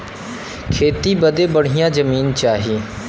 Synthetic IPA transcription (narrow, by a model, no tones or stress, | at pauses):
kʰeːt̪iːbəd̪eːbəɽ̤ɪjãːd͡ʒəmiːnt͡ʃaːɦiː